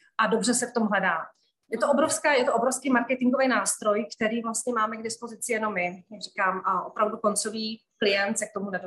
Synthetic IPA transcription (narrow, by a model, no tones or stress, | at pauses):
ʔado̞br̝ɛsɛft̪o̞mvɛdaː | jɛt̪oʔobɾo̞fskaːjɛt̪oʔobɾofskiːmaɾkɛt̪ɪŋɡovɛjnaːst̪ɾo̞jkt̪ɛɾiːvlast̪ɲɛmaːmɛɡdɪspo̞zɪt͡sɪjɛno̞mːɪjaɡrikaːmʔopɾavduko̞nt͡so̞viːklɪjɛnt̪sɛk̚t̪o̞munɛdo